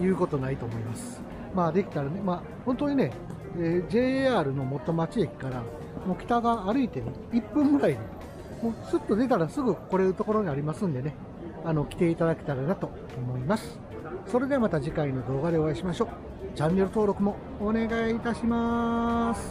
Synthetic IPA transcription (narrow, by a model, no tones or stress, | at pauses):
jɯ̟ːko̞t̪o̞nait̪o̞ːmo̞imasɨ̥ | maːd̪e̞kʲi̥t̪aɾane̞maː | hont̪o̞ɲ̟ine̞ | eːd͡ʑe̞ːaːɾɯ̟no̞mo̞t̪o̞mat͡ɕiekʲi̥kaɾa | mokʲi̥t̪aɡaːɾɯ̟it̪e̞ | ipːɯ̃mːɯ̟ɾaid̪e | mo̞ːsɨt̪ːo̞d̪e̞t̪aɾasɨɡɯ̟ko̞ɾeɯ̟t̪o̞ko̞ɾo̞ɲ̟iaɾʲimasɨ̃nd̪e̞ne | ano̞kʲi̥t̪e̞it̪ad̪ake̞̥t̪aɾanat̪o̞ːmo̞imasɨ̥ | so̞ɾe̞d̪e̞mat̪aʑikaino̞d̪o̞ːɡad̪e̞o̞aiɕimaɕo̞ː | d͡ʑãnːe̞ɾɯ̟t̪o̞ːɾo̞kɯ̟mo̞ː | ne̞ɡait̪aɕima | sɨ̥